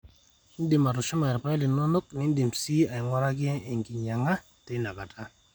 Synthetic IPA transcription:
n˦dɪ˨ma˨ɾʊ˨t͡ʃɔ˦ma˨ɛ˨ɾpa˦lɪ˨no˦no˦k̚nɪ˦n˦di˨msi˦a˨ɪ˨ŋɔ˦ɾa˦ɡɪ˦e˨ŋɡi˨ɲa˨ŋa˦ | tɪ˦na˨ka˨tʰa˦

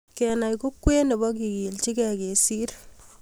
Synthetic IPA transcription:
kɛ˨na˨jko˦kwe˦ne˨bɔ˦ki˨ki˨lt͡ʃi˦kɛ˨ke˨si˦r

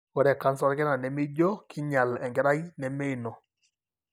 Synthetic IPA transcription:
wɔ˨ɾɛ˨ka˦nsɔ˦ɾkɛ˦na˨nɛ˨mɪ˦d͡ʒɔ˦kʰɪ˦ɲa˨lɛ˨ŋɡɛ˦ɾa˦i˦nɛ˨me˦˨nɔ˨

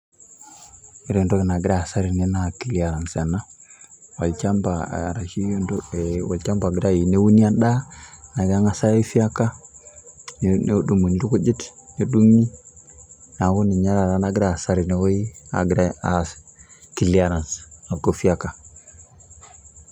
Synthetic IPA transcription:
i˦ɾo˨ndo˦kna˨ɡi˦ɾa˦˨sa˦ɾi˨ne˦na˨ki˨li˨a˨ɾa˨nsa˨na˦wa˨lt͡ʃa˦mba˨ɾa˨ʃi˦o˦ndo˦˨wa˨lt͡ʃa˦mba˨ɡi˨ɾa˦˨i˨ne˦wu˦ni˦a˦nɗa˦na˨ɡa˦ŋa˦sa˦i˦fi˦a˦ka˦ | n˦du˨mu˨n˦ɾu˦ku˦d͡ʒi˦tɲo˦du˦ŋːi˦ | na˨ɡu˦ni˨ɲa˦ɾa˨ɾa˨˦na˦ɡɪ˦ɾa˦˨sa˦ɾi˨ne˨˦wo˦i˦a̰˨ɡɾa˦a˨ | ki˨li˦a˨ɾa˨nsa˨ɡo˦fi˦a˦ka˨

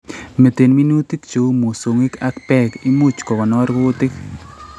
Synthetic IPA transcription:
me˨te˨nmi˦nu˦ti˦kt͡ʃo˨˦mo˨so˨ŋi˦ka˦kpɛ˦ki˦mu˦t͡ʃkɔ˨kɔ˨nɔ˦ɾko˦tɪ˦k

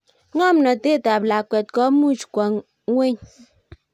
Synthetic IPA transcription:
ŋɔ˦m˨nɔ˨te˦˨ta˨p̚la˨kʷɛ˨t̚kɔ˦mu˦˨t͡ʃu̥˨kʷa˨ŋ˦ | we˦ɲ

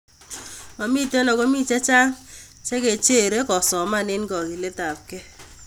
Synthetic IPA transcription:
ɔ˨mi˦˨te˦lɔ˨kɔ˦mi˦t͡ʃe˦t͡ʃa˦ŋ | t͡ʃe˦ke˨t͡ʃe˦˨ɾe˦kɔ˨sɔ˨ma˦˨nɪ˦n˦kɔ˨ki˨le˦ta˨p̚ke˦

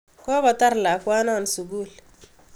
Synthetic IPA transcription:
kɔ˦ba˨ta˦ɾla˨kwa˦na˦˨nsu˨ɡu˦˨l

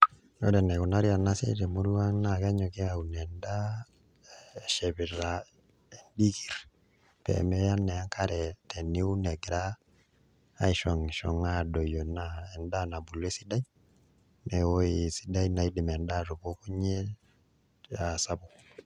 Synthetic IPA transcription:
o̰˦ɾɛ˨nɛ˨kɔ˨na˦ɾja˨na˦sḛ˦tɛ˨mu˦ɾu˦a˦na˨ka˦ɲɔ˨kɛ˦a˨u˨nɛ˨nda˦˨ | ʃɛ˨bi˨ɾa˨ | e˨ndi˦ki˨ɾ | pɛ̰˨mɛ˦ja˦nɛ˨a˦ŋkʰa˦ɾɛ˨tɛ˨ni˦u˦nɛ˨ɡɾa˦ | i˨ʃɔ˨ŋʃɔ˨ŋa˦do˨jɔ˨naɛ˨nda˦na˨bu˨le˦si˦da˦j | nɛ˨wo˦isi˦da˦jina˨i˦di˨mɛ˨nda˦ɾo˨ko˦ku˦ɲɛ˦ | a˨sa˦bu˨

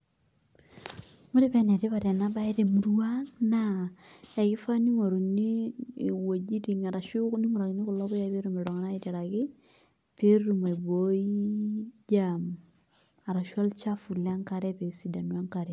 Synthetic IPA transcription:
mʊ˦ɾi˦pɛ˦nɛ˨ti˦pa˨tɛ˨na˦ba˦i˦te˨mu˨˦ɾwa˦ŋna | a˨kɪ˦fa˦ni˦ŋo˨ɾu˨niː˦˨wo˨d͡ʒi˦ti˨ŋa˨ɾa˨ʃu˦kni˦ŋu˨ɾa˨kni˦kʊ˨lɔ˦bʊ˦ja˦pe˦ɾu˦me˨ɾɔ˨ŋa˦na˦i˦ti˨ɾa˨kɪ˦ | pe˦ɾu˨ma˨i˨bo˨˦i˦d͡ʒam | a˨ɾa˨ʃa˦lt͡ʃa˦fu˨la˦ŋka˦ɾɛ˦pe˨si˨da˨nwa˦ŋka˨ɾɛ˨

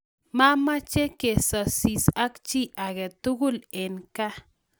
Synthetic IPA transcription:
ma˦ma˦t͡ʃe˦ke˨sa˨si˨sa˦kt͡ʃi˦ʔa˨ɡe˨t̪u˦ɡu˦le˨nka˦

